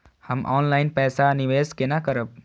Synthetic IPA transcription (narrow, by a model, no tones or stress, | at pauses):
həmʔɔ̰ːnlaɪnpɛsaniʋeskenakəɾəb̚